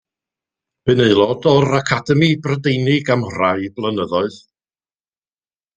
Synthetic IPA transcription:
b̥ɨneɨlˠɔdɔɾakʰadɛmibrədejnɪɡamrajblˠənəðɔɨð

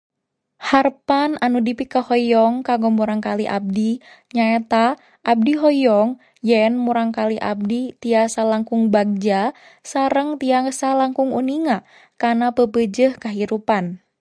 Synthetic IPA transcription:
harpananudipikəhɔjɔŋkaɡɔmuɾaŋkaliʔa̰b̚di | ɲaet̪a | ʔːb̚diɦɔjɔŋ | jənmuɾaŋkaliʔa̰b̚dit̪iasalaŋkuŋbaɡ̚d͡ʒa | saɾəŋt̪iaŋsalaŋkuŋṵniŋa | kanapəpəd͡ʒəhkaɦiɾupan

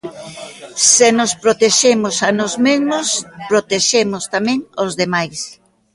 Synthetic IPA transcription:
senospɾot̪eʃemʊsanozmezmospɾot̪eʃemʊst̪amẽŋozðemajs

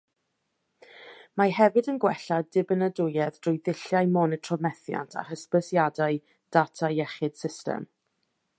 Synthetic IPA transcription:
maɦɛvɨdənɡwɛɬadɪbənədʊjɛðd̥rʊjðɪɬjajmɔnətʰrɔmɛθja̰ntʰa̰həspəsjadaɨ | d̥atʰajɛχɪd̥sɪstɛ̰m

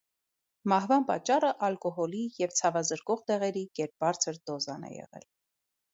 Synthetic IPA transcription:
mɑhvɑnpɑ̰t͡ʃːɑrəʔɑlkɔɦɔlijɛvt͡sʰɑvɑzəɾkɔʁt̪ɛʁɛɾikɛɾp̚bɑɾt͡sʰəɾd̪ɔzɑnɛ̰jɛ̰ʁɛ̰l

